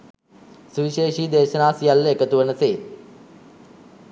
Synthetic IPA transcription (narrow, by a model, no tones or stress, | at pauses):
suʋiʃeːʃiːd̪eːʃənaːsijalːəekət̪uʋənəseːt̪